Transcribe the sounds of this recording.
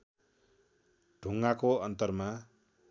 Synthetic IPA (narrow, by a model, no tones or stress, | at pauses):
ɖ̥ʱuŋɡakoʌnt̪ʌrma